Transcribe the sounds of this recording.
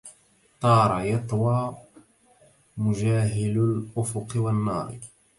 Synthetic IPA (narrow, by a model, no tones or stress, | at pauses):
t̪ˤɑːɾˤɑjɑt̪ˤwɑː | mʊʒaːɦɪlʊlʔʊfʊqɪwanːɑːɾˤ